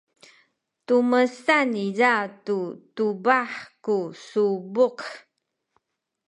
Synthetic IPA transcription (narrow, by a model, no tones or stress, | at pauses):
tuməsanizatutubaħkusubuq